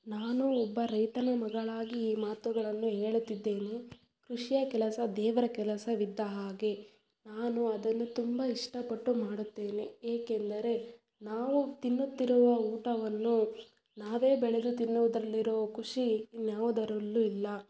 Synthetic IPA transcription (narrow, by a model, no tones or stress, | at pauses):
naːnuɔbːɐɾɐjt̪ɐnɐmɐɡɐɭaːɡiːmaːt̪uɡɐɭɐnːuɦeːɭut̪ːid̪ːe̞ːne | kɾuʂijɐkɛlɐsɐd̪ɛːʋɐɾɐkɛlɐsɐʋid̪ːɐɦaːɡe̞ | naːnuɐd̪ɐnːut̪umbɐiʂʈɐpɐʈːumaːɽut̪ːe̞ːneeːkend̪ɐɾe̞ | naːʋut̪inːut̪ːiɾuʋɐuːʈɐʋɐnːu | naːʋe̞ːbɛɭed̪ut̪inːuʋud̪ɾɐlːiɾoːɐkʰuʂinjaːʋud̪ɐɾɐlːuilːɐ